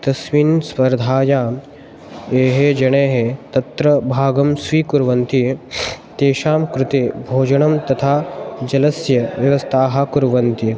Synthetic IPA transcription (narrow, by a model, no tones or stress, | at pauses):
t̪ɐsʋinspɐɾd̪ʱaːjaː | eːɦed͡ʒɐɳeːɦet̪ɐt̪ɾɐbʱaːɡɐmsʋiːkuɾʋɐnt̪it̪eːʃaːmkɾɪt̪eːbʱoːd͡ʒɐɳɐmt̪ɐt̪ʰaːd͡ʒɐlɐsjɐʋjɐʋɐst̪ʰaːɦɐkuɾʋɐnt̪i